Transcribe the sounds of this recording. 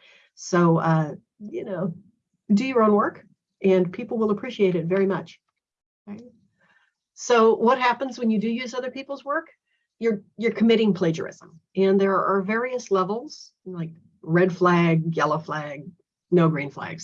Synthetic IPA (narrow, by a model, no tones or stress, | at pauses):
soʊʌ | jɨ̰noʊ | dɨjə˞õʊ̃nwɜ˞k | ʔɨ̃npʰipl̩ˠwəlˠəpʰɹ̥iʃieɪɾɨtvɛɹimʌt͡ʃ | ɹaɪt | soʊwʌt̚ɦæpə̃n̩zwɨ̃njɨdɨjʉzʌðə˞pʰipl̩ˠzwɜ˞k | jə˞jə˞kʰəmɪɾɪ̃ŋpʰl̥eɪd͡ʒə̰˞ɪ̰z̥ə̰̃m | ɨ̃nðə˞ə˞vɛɹiɨslɛvl̩ˠz̥ | laɪk̚ | ɹɛd̥flæɡjɛlˠoʊflæɡ̚ | noʊɡɹĩnflæ̰ɡz̥